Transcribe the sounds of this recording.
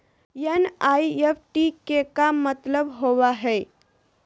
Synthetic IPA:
jenaːiefʈikekamət̪ləbɦoːwaɦɛː

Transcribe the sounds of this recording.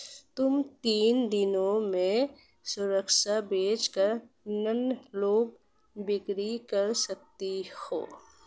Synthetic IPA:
t̪ʊmt̪iːnd̪ɪnõmẽ | sʊɾəkʃabeːt͡ʃkəɾ | nənloːɡ | bɪkɾikəɾsək̚t̪eho̰ː

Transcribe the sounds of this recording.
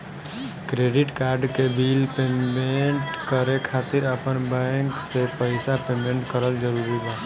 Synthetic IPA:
kɾeɖiʈkaɾɖkebilpemeɳʈkəɾekʰat̪iɾəpənbɛ̃ŋksepəɪsapemeɳʈkəɾəld͡ʒəɾuɾibɛ

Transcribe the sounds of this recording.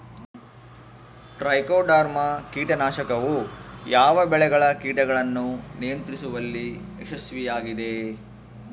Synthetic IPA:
ʈɾɐjkoːɖaːɾmɐkiːʈɐnaːʃɐkɐʋujaːʋɐbɛɭɛɡɐɭɐkiːʈɐɡɐɭɐnːunijɐnt̪ɾisuʋɐlːieʃɐsʋijaːɡid̪e

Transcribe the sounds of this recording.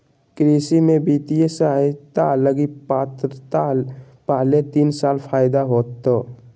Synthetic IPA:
kɾisimẽbit̪ijesat̪aləɡipat̪ɾt̪a | paɦlet̪iːnsaːlpʰaːjd̪aɦoːt̪ːo

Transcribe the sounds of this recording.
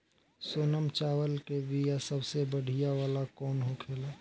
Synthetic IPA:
soːnəmt͡ʃaːwəlkebijasəbsebəɽ̤ʱijaʋaːlakɔːnɦokʰeːlaː

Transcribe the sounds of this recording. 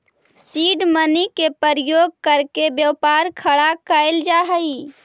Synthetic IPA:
siɖmənikepəɾjoɡ̚kəɾkebjəwpaɾkʰəɽakəɪld͡ʒaɦəi

